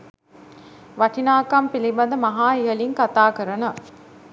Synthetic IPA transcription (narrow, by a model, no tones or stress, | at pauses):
ʋɐʈinaːkɐmpilibɐnd̪ɐmɐɦaːiɦɐliŋkɐt̪aːkəɾɐnɐ